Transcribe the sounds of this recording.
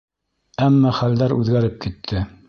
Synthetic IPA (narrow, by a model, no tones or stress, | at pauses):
æmːɑχæld̪æɾʉ̰ðɡæɾɘp̚kit̪ʰːɘ